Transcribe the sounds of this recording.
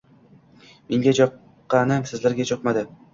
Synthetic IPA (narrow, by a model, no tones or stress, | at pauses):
me̞ŋɡʲad͡ʒɒqː | ɑnɪmsɪzlaɾɡʲad͡ʒʰɒqmad̪ɪ